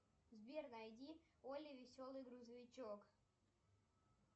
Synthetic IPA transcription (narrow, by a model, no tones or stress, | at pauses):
zbʲernɐjdʲi | olʲɪvʲɪsʲolˠɨjɡɾuzəvʲɪt͡ɕok